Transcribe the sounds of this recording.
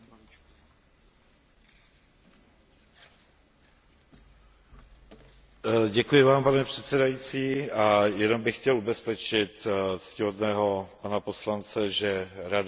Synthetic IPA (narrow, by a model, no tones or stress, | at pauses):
ɟɛkujɪvaːmpanɛpr̝̥ɛt̪sɛdajit͡siːajɛnombɪxːcɛlʔubɛspɛt͡ʃɪt̪scɪɦod̪nɛːɦo̞panapo̞slant͡sɛʒɛɾad